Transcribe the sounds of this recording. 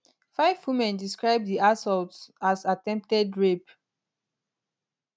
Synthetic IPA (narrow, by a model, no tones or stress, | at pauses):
faɪvwimɛ̃ndiskɹaɪb̚ðiasɔltasatɛ̃mp̚tɛdɹep